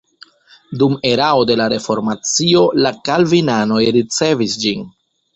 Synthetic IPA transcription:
dume̞ɾao̞de̞laɾe̞fo̞ɾmat͡sio̞lakalvinano̞jɾit͡se̞visd͡ʒin

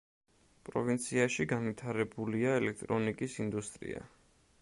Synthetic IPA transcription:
pʼɾɔ̰vint̪sʰiaʃiɡanvit̪ʰaɾɛbuliaɛlɛk̚ʰt̪ʼɾɔnikʼisind̪ust̪ʼɾḭa̰

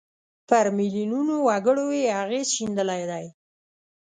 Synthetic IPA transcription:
pəɾmilinunowaɡəɽojeaɣezʃind̪əlajd̪aj

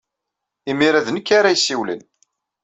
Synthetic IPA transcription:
imiɾæðnəkːaɾajsːiwlḭn

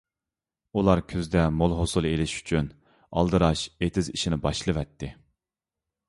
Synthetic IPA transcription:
ulˠɑɾkʲʰøzd̪ɛmolˠɦosulˠelɪʃy̥t͡ʃʰyn | ɑ̰lˠd̪ɨɾɑʃet̪ʰɪziʃinɪbɑʃlˠɨvɛt̪ʰːɪ

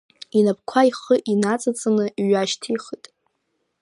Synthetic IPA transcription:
inap̚ʰʼkʷʰaiχəʔinat͡sʼat͡sʼɨnɨɥaʃtʰiχitʼ

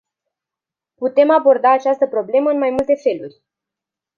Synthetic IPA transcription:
put̪e̞mabo̞rd̪aːt͡ʃast̪əpɾo̞ble̞məɨnmajmult̪e̞fe̞lurʲ

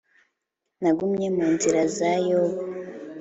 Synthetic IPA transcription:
naɡumɲemuːnziɾazajoβ

